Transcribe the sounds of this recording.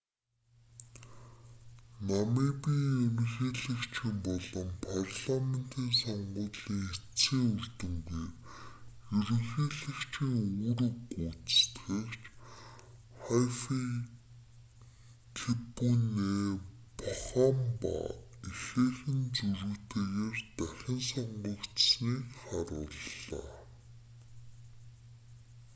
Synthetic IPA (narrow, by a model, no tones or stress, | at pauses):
namiːkpiːŋemɘ̆xeːɮɘ̆kt͡ɕʰɪmpɔɮɞ̆mpʰarɮamen̥t̪ʰiːnsɔɴɢʊːt̪ɮiːŋxett͡siːŋurɮt̪ɵ̆ŋɡuj | jɵɾɵ̆ŋxeːɮɘ̆kt͡ɕʰĭŋuɾɵ̆kuːt͡sst̪xekt͡ɕ | χafi | kʰepuneː | pʊχaːmpa̰ | ixeːxɘ̆nt͡suɾŭːt̪ʰeːɣeːrt̪æxʲɪ̆nsɔɴɢə̆kt̪sniːkχaɾʊ̰ːɮːa̰ː